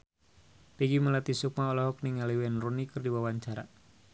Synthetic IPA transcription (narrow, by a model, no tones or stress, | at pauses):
pɛɡiməlat̪isuk̚maɔlɔɦɔk̚niŋaliwɛnrunikərdiwawaɲt͡ʃaɾa̰